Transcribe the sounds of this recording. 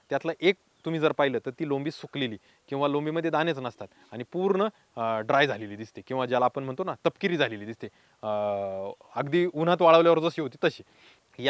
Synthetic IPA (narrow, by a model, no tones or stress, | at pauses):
t̪jat̪laʔek̚ | t̪um̤iːd͡zəɾpajləːt̪əɾt̪iːlõmbiːsukleliː | kĩw̃ʋalõmbiməd̪ʱjed̪anet͡snəst̪at̪ | aɽ̃ipuɾɳə | ɖɾajd͡zʱaleliːd̪ist̪ekĩw̃ʋad͡ʑjalaːpəɳm̤əɳt̪onat̪əpkiɾiːd͡zʱaleliːd̪ist̪e | əɡd̪iːun̤at̪ʋaɭəʋljaʋəɾd͡zəsiɦot̪iːt̪əɕi | ja